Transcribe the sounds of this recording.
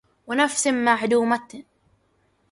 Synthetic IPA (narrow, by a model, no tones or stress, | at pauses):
wɪnafsɪmmaʕd̪uːmat̪